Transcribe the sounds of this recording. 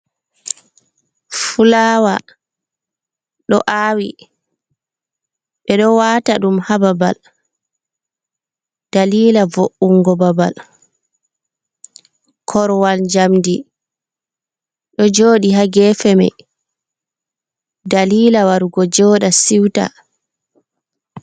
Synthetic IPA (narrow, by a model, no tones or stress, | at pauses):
fulaːwa | ɗɔ̰ʔaːwi | ɓɛɗɔwataɗumhababa̰l | d̥aliːlavoʔːuŋɡɔbaba̰l | kʰɔɾwalɲd͡ʒamdi | ɗɔd͡ʒoːɗiɦaɡɛːfɛmɛ̰ | daliːlawaɾɡɔd͡ʒɔːɗasiwta̰